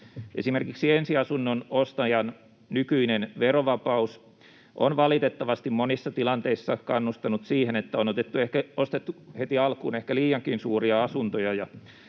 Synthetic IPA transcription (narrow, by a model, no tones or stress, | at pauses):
ʔesimerkiksiensiɑsunːonost̪ɑjɑn | nykyinenʋeroʋɑpɑus | ʔo̰nʋɑlit̪et̪ːɑʋɑst̪immonisːɑt̪ilɑnt̪eisːɑkɑnːust̪ɑnut̪siːhenet̪ːæonot̪et̪ːuehkæost̪et̪ːuhet̪iɑlkṵːnehkæliːɑŋkinsuːriɑɑsunt̪ojɑjɑ